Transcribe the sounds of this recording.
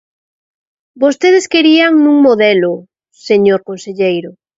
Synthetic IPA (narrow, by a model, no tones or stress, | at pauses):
bost̪eðeskeɾiaŋnũŋmoðɛlo | seɲoɾkonseʎejɾo